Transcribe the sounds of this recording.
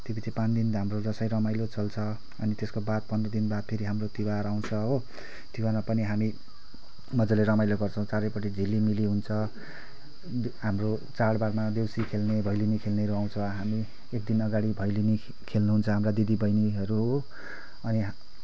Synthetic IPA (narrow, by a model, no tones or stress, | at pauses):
t̪jepit͡sʰipãnd̪inɦamrod͡zʌsʌj̃ɾʌmajlot͡sʌlt͡sʰʌ | ʌnit̪eskobat̪̚pʌnd̪ʌd̪inbat̪̚pʰeɾiɦamrot̪iwaɾaw̃t͡sʰʌɦo | t̪iwarmapʌniɦami | mʌd͡zʌleɾʌmajloɡʌrt͡sʰʌ̃w̃t͡saɾʌpʌʈ̬id͡zʱilːimiliɦunt͡sʰʌ | ɦamro | t͡saɽbarmad̪ewsikʰelnebʱʌjlinikʰelneɾuaw̃t͡sʰʌɦami | ek̚d̪inʌɡaɽibʱʌjlini | kʰelnuɦunt͡sʰʌɦamrad̪id̪ibʌjniɦʌɾuɦo | ʌniɦ